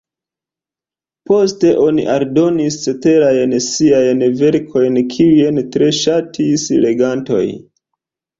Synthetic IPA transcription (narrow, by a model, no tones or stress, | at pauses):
po̞ste̞ʔo̞nḭʔaɾdo̞nist͡se̞te̞ɾajnsiajnve̞ɾkʰo̞jnkʰiujentɾe̞ʃatʰisle̞ɡanto̞̰j